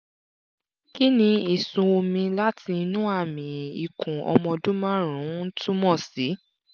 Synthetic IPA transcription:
ki˦nĩ˧i˨sũ˧o˧mĩ˧la˦ti˧nũ˦a˦˨mĩ˨i˨kũ˨ɔ̰˧mɔ̃˧dũ˦mã˦ɾ̃ũ˨˦tũ˦mɔ̃˦˨si˨˦

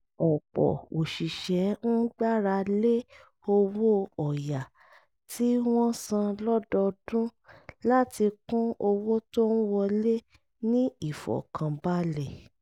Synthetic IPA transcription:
ɔ˨pɔ̰˨o˨ʃi˨ʃɛ˨˦n̩˦ɡ͡ba˦ɾa˧le˦ | o˧wo˦ɔ˨ja˨ | tʰi˨˦w̃ɔ̃˦sã˧lɔ˦dɔ˧dũ˦la˦ti˧kũ˦o˧wo˦to˦n̩˦wɔ˧le˦ | nĩ˦i˦˨fɔ̰˨kʰã˨ba˦le˦˨

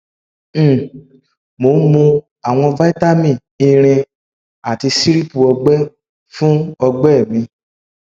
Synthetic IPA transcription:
mo˨˦mũ˧ | a˨w̃ɔ̃˧va˦i˦ta˦mĩ˦˨ | i˧ɾ̃ĩ˧ | a˨ti˧si˦ɾi˦pu˨ɔ˧ɡ͡bɛ˦ | fũ˦ɔ˧ɡ͡bɛ˦˨mĩ˧

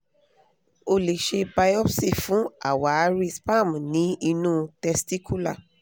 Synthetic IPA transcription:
o˧le˨ʃe˧ba˧jɔ˦fsi˦˨fũ˨˦a̰˨wa˨˧˦ɾi˦spa˦˨m̃˨nĩ˨˦i˧nũː˦tɛ˧sti˦ku˦la˦˨

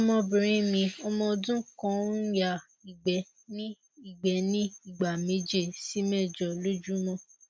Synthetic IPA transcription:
ɔ˦mɔ̃˧bĩ˨ɾ̃ĩ˦mĩ˧ɔ˧mɔ̃˧dũ˦kɔ̃˦ja˦˨ | i˨ɡ͡bɛ˨ | nĩ˦ | i˦˨ɡ͡bɛ˨˦nĩ˦i˦˨ɡ͡ba˨me˨˦d͡ʒe˦˨si˨˦mɛ˦˨d͡ʒɔ˨lo˦d͡ʒu˦mɔ̃˦

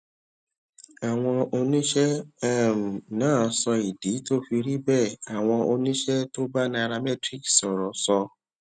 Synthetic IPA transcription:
a˨w̃ɔ̃˧o˧nĩ˦ʃɛ˦m̩˨nãː˦˨˧sɔ˧i˨di˨˦to˦fi˧ɾi˦bɛ˦˨a˨w̃ɔ̃˧o˧nĩ˦ʃɛ˦to˦ba˦nã˧˦a˧ɾa˧mɛ˦tɾi˦ksɔ˨ɾɔ˨sɔ˧

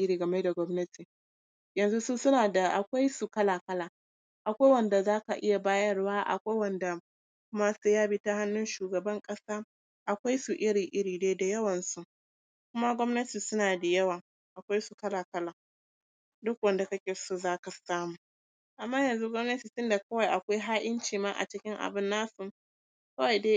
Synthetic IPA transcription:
ʔɪ˦ɾiː˨ɡɐ˨me˦da˨ɡʷɔ˦mnɐ˦ti˨ | jɐ˨nzu˦su˦sʊ˦naː˨da˨ʔa˨kʷa˦jsu˨kɐ˦laː˨kɐ˦laː˨ | ʔa˨kʷa˦jwɐ˨nda˨zaː˦ka˨ʔɪ˦ja˨baː˦jɐ˦rwaː˦ʔa̰˨kʷa˦jwɐ˨nda˨ | kʷʊ˦ma˦se˦jaː˦bi˦ta˦ha˦nːʊ˦nʃuː˨ɡɐ˨bɐ˦ŋkʼɐ˦saː˦ | ʔa˨kʷa˦jsu˨ʔɪ˦ɽɪ˨ŋʔɪ˦ɽiː˨neː˦da˨jɐ˦wɐ˨nsu˦ | k̚ʷʊ˦ma˦ɡʷɔ˦mnɐ˦tiː˨sʊ˦naː˨da˨jɐ˦waː˨ | ʔa˨kʷa˦jsu˨kɐ˦laː˨kɐ˦laː˨ | dʊ˦k̚wɐ˨nda˨kɐ˦kʲeː˨su˦zaː˦ka˨saː˦muː˨ | ʔa˨mːaː˦jɐ˨nzu˦ɡʷɔ˦mnɐ˦tiː˨tʊ˦nda˨kɐ˦wa˨jʔa˨kʷa˦jɦaː˦ʔɪ˦nt͡ʃiː˨maː˦ʔa̰˨t͡ʃɪ˦kʲɪ˦ŋʔa̰˨bɪ˦nːaː˦su˨ | kɐ˦wa˨jdeː˦

